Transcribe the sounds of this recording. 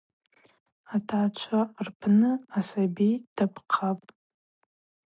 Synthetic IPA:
atʰat͡ʃʷʰarpʰnɨasabid̥apʰqʰapʼ

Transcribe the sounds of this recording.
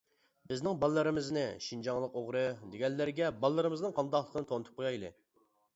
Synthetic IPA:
bɪznɪŋbɑlˠːɨɾɨmɪznɪ̰ʃind͡ʒɑŋlˠəqoʁɾɨd̪eɡʲɛnːɪɾɡʲɛbɑlˠːɨɾɨmɨznɨŋqʰɑnd̪ɑχlˠəqʰənɨt̪ʰonɨt̪ʰu̥p̚qʰojɑjlˠɨ̰

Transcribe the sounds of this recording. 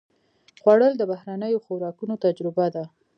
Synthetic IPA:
ɣwaɽəld̪əbahɾanəjoxoɾɑkunot̪ad͡ʒɾɪbad̪a

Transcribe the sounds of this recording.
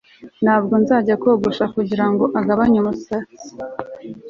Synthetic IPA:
nhaːb̚ɡonzaːɟakoːɡuʃakuɟiɾaŋɡo̞ʔaɡaβaɲumusat͡si̥

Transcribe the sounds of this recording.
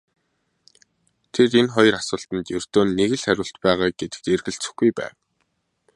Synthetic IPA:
t̪ʰerenχɔj̆rasʊːɬt̪ə̆nt̪jɵr̥t̪oːnːeɣɘ̆ɮχæɾʲʊːɬt̪pæːʁaːɡ̥et̪ɘ̥̆k̚t̪erɣɘ̆ɬt͡sɘ̆xɡujpæ̰ːw

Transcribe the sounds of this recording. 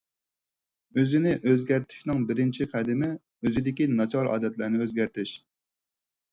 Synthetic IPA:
øzɪnɪʔøzɡʲæɾt̪ʰɪ̥ʃnɪŋbɪɾɪnt͡ʃʰiqʰæd̪ɪmɪ | øzɪd̪ɪkʲinɑt͡ʃʰɑɾɑ̰ːd̪ɛt̪læɾnɪøzɡʲæɾt̪ʰɪʃ

